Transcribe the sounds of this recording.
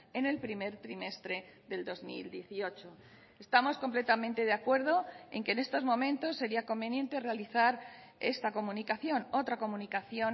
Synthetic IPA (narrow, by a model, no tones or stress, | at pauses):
e̞ne̞lpɾime̞ɾt̪ɾime̞st̪ɾe̞ðe̞ld̪o̞zmḭld̪je̞θio̞t͡ʃo̞ | est̪amo̞skomple̞t̪amẽnt̪e̞ðeakwe̞ɾð̞o̞eŋke̞ːne̞st̪o̞zmõ̞mẽnt̪o̞sːe̞ɾiako̞mbe̞nje̞nt̪e̞realiθaɾ | e̞̰st̪ako̞mũnikaθjo̞no̞t̪ɾako̞mũnikaθjo̞n